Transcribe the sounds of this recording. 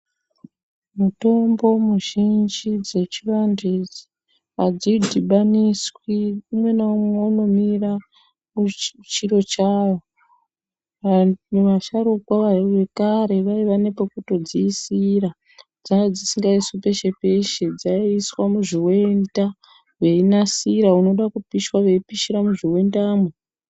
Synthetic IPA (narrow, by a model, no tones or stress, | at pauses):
muto̞mbo̞muʒind͡ʒid͡ze̞t͡ʃirandet͡ʃ | ad͡zidʱiɓaniswiumwe̞naumweuno̞mira | kut͡ʃiɾo̞t͡ʃaːʋo | muʋaʃaɾukwaʋajʋe̞kaɾe̞ʋaiʋane̞pakuto̞d͡ziːsira | d͡zaŋɡad͡zisiŋɡaiswipe̞ʃe̞pe̞ʃe̞d͡zaiiswamuʐiwe̞nda | ʋe̞inasiɾauno̞ɗakupiʃwaʋe̞ipiʃiɾamuʐiwe̞ndaːme